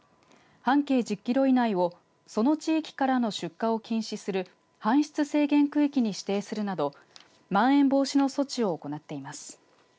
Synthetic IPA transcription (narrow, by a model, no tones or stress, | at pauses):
hãŋke̞ːd͡ʑɨkʲːiɾo̞inaio̞ | so̞no̞t͡ɕiːkʲi̥kaɾano̞ɕɨkːao̞kʲĩɰ̃ɕisɨɾɯ̟ | hãɰ̃ɕi̥t͡sɨse̞ːɡẽ̞ŋkɯ̟ikʲiɲ̟iɕi̥t̪e̞ːsɨɾɯ̟nad̪o̞ | mãɰ̃ẽ̞mbo̞ːɕino̞so̞t͡ɕio̞ːko̞nat̪ːe̞imasɨ̥